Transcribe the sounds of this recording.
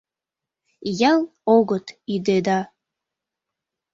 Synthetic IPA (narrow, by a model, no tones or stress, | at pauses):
jɑlˠoɣɤt̪id̪ed̪ɑ